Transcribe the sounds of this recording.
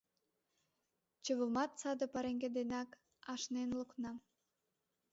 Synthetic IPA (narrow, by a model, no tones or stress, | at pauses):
t͡ɕəβəlmɑt̪sɑd̪ə̆pɑɾeŋɡed̪enɑk | ɑʃnenluknɑ